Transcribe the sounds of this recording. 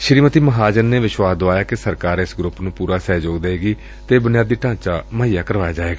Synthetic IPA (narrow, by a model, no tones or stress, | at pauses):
ʃɾiːmət̪iːməɦaːd͡ʒənːeːʋɪʃwaːsd̪oaːjaːkɪsəɾkaːɾɪsɡɾʊpnũːpuːɾaːsɛːd͡ʒoːɡd̪eeːɡiː | t̪eːbʊnɪjaːd̪iːʈãːt͡ʃaːməːijaːkəɾʋaːjaːd͡ʒaːeːɡaː